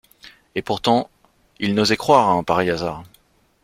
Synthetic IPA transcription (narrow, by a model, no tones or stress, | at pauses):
epuʁt̪ɑ̃ | ilnozɛkχwaʁaɛ̃paʁɛjazaːʁ